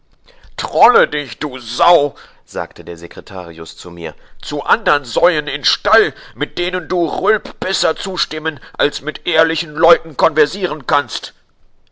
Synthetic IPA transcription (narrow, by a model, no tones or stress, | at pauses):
tʁ̥ɔlədɪçd̥uːzaʊ | z̥a̰ːktʰədeːɐzekʁ̥etʰa̰ːʁiʊst͡sumḭːɐt͡suʔandɐnzɔʏənɪnʃtalmɪt̚d̥eːnənduːʁʊlpb̥ɛsɐt͡suːʃtɪmənʔalsmɪtʔeːɐlɪçn̩lɔʏtn̩kɔnvɛɐtiːʁənkʰanst